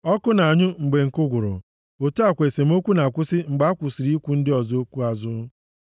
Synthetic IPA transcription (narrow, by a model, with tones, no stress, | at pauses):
ɔ˦kʊ˦na˨a˨ɲʊ˦ŋ͡m̩˨ɡ͡be˨ŋ̩˨kʊ˦ɡʷʊ˨ɾʊ̰˨ | o˨tu˦a˨kʷe˨se˨m̩˦o˦kʷu˦na˨kʷʊ˦sɪ˦ŋ͡m̩˨ɡ͡ba˨˦a˦kʷʊ˨si˨ɾi˦kʷu˦n̩˦dɪ˦ɔ˨zo˦kʷu˦a˨zʊ˦